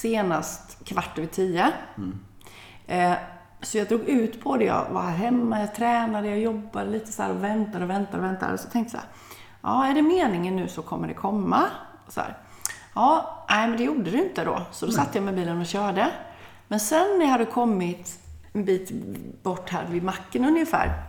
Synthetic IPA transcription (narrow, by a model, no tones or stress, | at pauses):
seːnast̪kʰvaʈːəɾvɪt̪ʰiːə | sɔjɑd̪ɾuːɡʉ̟ːt̪pʰɔd̪ɛjɑ̰va̰ɾhæːɾɦɛmːajɑt̪ʰɾɛːnad̪əjɑjɔbːad̪əliːt̪ə̥sæ̰ːɾɔvɛnt̪ad̪əɔvɛnt̪ad̪ɔvɛnt̪a̰d̪ə̰sɔ̥t̪ʰɛŋkt̪əj̰ | ʔɑ̰ːæɖɛmeːnɪŋənːʉ̟ːsɔkʰɔmːəɖɛkʰɔmːa | ɔsɔhæ̰ːɾ | ɑːnæɪmɛnd̪ɛjuːɖəd̪ɪɪnt̪əd̪ɔ̰sɔd̪ɔsat̪ːəjɑmɛbiːlənɔɕœːɖə | mɛnsɛnːæhad̪ːəkʰɔmːɪt̪ | ɛnbiːt̪b̥ɔʈːhæ̰ːɾvɪmakːənɵnjəfæ̰ːɾ